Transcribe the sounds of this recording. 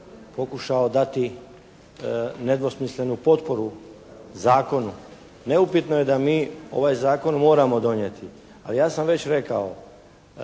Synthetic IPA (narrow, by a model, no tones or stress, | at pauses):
po̞kuʃao̞d̪at̪i | ned̪ʋo̞smisle̞nupo̞t̪po̞ɾu | zaːko̞nu | ne̞upit̪no̞je̞d̪amiːo̞̰ʋajzaːko̞nmo̞ːɾamo̞d̪o̞njet̪ʰi | a̰lijaːsamʋe̞t͡ɕɾe̞kao̞